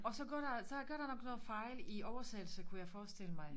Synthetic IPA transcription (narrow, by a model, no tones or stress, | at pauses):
ɒ̽sɒ̽ɡ̥ɐ̰d̥ɑ̈sɒ̽ɡ̥ɶɐɾ̥ɑ̈nɒ̽ɡ̥nɔ̽ːð̩ˠfɑ̈ɪliɒʊɐsed̥l̩səkʰujɑ̈ɪfɒːsd̥e̝ləmɑ̈ɪ